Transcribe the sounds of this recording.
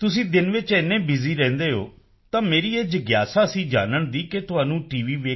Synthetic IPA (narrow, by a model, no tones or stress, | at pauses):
t̪ʊsĩːd̪ɪnʋɪt͡ʃɛnːẽːbɪziːɾɛ̃ːnd̪eːɦo̰ː | t̪ãːmeːɾiːeːd͡ʒəɡjaːsaːəsĩːd͡ʒaːnəɳd̪iːket̪ʊɦaːnũːʈiːʋiːʋeː